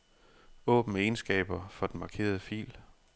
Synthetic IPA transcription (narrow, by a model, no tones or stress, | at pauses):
ɔ̰̽ːb̥n̩e̝nsɡ̥ɛ̰ːb̥ɐfɒ̽d̥en̩mɑ̈kʰe̝̰ːɐð̞ˠəfḭːl